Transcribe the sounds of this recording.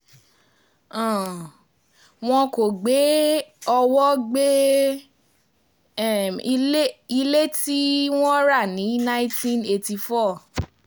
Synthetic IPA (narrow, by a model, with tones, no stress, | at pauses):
ã˨ | w̃ɔ̃˧ko˨ɡ͡be˨˦ɔ˧wɔ˦ɡ͡be˦˨˧ | le˦i˧le˦ti˦w̃ɔ̃˦ɾa˦˨nĩ˨˦nã˦ĩ˦tĩ˦ne˧ti˧fɔ˦˨